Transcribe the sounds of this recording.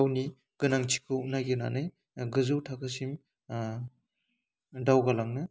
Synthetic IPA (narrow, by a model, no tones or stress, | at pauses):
wni | ɡ̥ɯnaŋt͡ʃʰi̥kʰɯuk̚najɡena̰naj | ɡɯzɯwtʰakʰɯsim | dawɡalaŋnɯ